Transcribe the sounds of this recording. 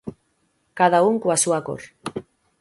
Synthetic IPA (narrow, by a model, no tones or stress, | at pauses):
kaðauŋkuasuako̰ɾ